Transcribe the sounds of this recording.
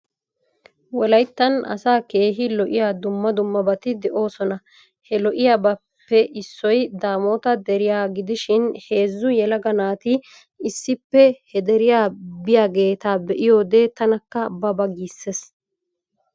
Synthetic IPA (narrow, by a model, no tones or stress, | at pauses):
wɔlɐjt̪ːɐnɐ̰saːke̞ːɦɪlɔʔɪjaːd̪ʊmːɐd̪ʊmːɐbɐt̪ɪd̪ɛʔo̞ːsɔnɐ | hɛlɔʔɪjaːbɐ | pːɛʔɪsːɔjd̪aːmo̞ːt̪ɐd̪ɛɾɪjaːɡɪd̪ɪʃɪnhe̞ːzːʊjɛlɐɡɐnaːt̪ɪː | sːɪpːɛhɛd̪ɛɾɪjaːbɪjaːɡe̞ːt̪aːbɛʔɪjo̞ːd̪eːt̪ɐnɐkːɐbɐbɐɡiːsːes